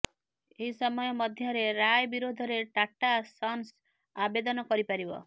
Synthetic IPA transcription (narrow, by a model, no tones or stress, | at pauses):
eɦisɔmɔjɔmɔd̪ʱjɔɾeɾajbiɾod̪ʱɔɾeʈaʈːasɔns | abed̪ɔnɔkɔɾipaɾibɔ̰